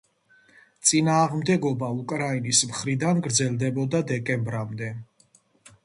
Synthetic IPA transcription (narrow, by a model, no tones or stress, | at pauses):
t̪sʼinaːʁmd̪ɛɡɔbaukʼɾainismχɾid̪anɡɾd̪zɛlˠd̪ɛbɔd̪ad̪ɛkʼɛmbɾamd̪ɛ